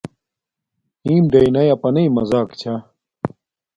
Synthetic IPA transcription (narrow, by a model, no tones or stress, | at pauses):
ĩːmɖ̪ɐjnɐjɐpɐnɐjmɐzaːkt͡ɕʰa